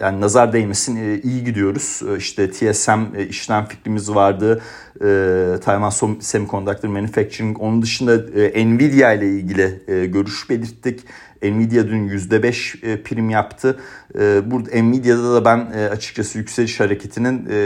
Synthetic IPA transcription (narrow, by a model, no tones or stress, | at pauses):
ja̰ːninazaɾd̪ejmesinijiɟid̪ijo̞ɾuz̥iʃt̪ʰɛt̪ʰiɛsæmiʃlʲænfi̥cɾimizvaɾd̪ɯː | ɯːt̪ʰajmansomsemikʰo̞nd̪ʰak̚lˠɯɾmenyfɛc̚t͡ʃʰiɾio̞nund̪ɯʃɯnd̪aʔɛnvid̪ijajlʲˠailʲɟilʲɪːɟø̞ɾyʃbe̞lʲiɾt̪ʰːic | ɛnvid̪jad̪ynjyzd̪ɛbɛʃpʰiɾimjapt̪ʰɯː | buɾd̪ɛnmid̪jad̪ad̪abænːat͡ʃʰɯ̥k̚t͡ʃʰasɯjycselʲiʃhaɾe̞cʰe̞t̪ʰinin